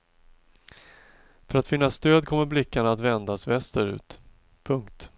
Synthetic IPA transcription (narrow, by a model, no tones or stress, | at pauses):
fœɾat̪fɪnːast̪øːd̪kʰɔmːəɾblɪkːaɳaːt̪vɛnd̪asvɛst̪əɾʉ̟̰ːt̪ | pʰɵŋkt̪